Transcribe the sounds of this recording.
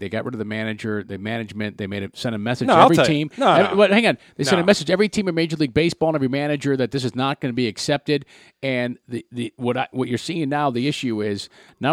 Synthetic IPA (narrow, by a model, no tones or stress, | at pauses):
ðeɪɡɑ̰ʔ̚ɹɪɾʌðɨmænɨd͡ʒə˞ðɨmænɨd͡ʒmɨ̃nðeɪmeɪɾɨsɛ̃nɨmɛsɨnɛvɹitʰĩmɛwʌhæ̃ŋɨ̃nðeɪsɛ̃ñɨmɛsɨd͡ʒɛvɹitʰĩmɨ̃meɪd͡ʒə˞liɡ̚beɪsb̥ɔlˠə̃nɛvɹimænɨd͡ʒə˞ðɨt̪̚ðɪs̬ɨznət̚ɡ̥ʌnɨbiɨksɛp̚tɪɾ | ɨ̃nðɨðɨwʌɾaɪwʌt͡ʃə˞siɪ̃ŋnaʊðiɪʃʉɪz̥na